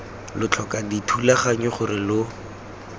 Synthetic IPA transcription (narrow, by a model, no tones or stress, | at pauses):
lʊt͡ɬʰɔkaditʰulaχaɲɔχʊrɪlʊ